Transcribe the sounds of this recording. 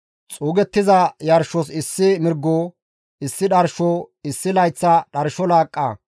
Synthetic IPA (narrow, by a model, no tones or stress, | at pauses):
t͡sʼuːɡɛt̪ːɪzɐjɐɾʃɔs̬ɪsːɪmɪɾɡːo | ɪsːɪɗɐɾʃɔɪsːɪlɐjt͡sːɐɗɐɾʃɔlaːkʼːɐ̰